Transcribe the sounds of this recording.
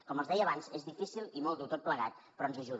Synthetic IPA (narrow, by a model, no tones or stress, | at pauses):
kɔməlˠzðɛjəːβanzezðifisilˠimɔlˠd̪ut̪ot̪̚pləɣa̰t̪̚ | pɾɔnzəʒuð